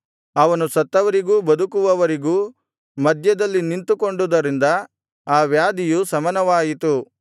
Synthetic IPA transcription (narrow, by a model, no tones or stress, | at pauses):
ɐʋɐnusɐt̪ːɐʋɐɾiɡuːbɐd̪ukuʋɐʋɐɾiɡuː | mɐd̪ʱjɐd̪ɐlːinint̪uko̞ɳɖud̪ɐɾind̪ɐ | aːʋjaːd̪ʱijusɐmɐnɐʋaːjit̪u